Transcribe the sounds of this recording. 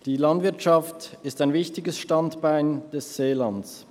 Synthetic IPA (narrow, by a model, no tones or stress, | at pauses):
d̥iːlɑndvɪɐtʃɑftɪstaɪnvɪçtɪɡəsʃtɑntb̥aɪnd̥ɛsz̥eːlɑns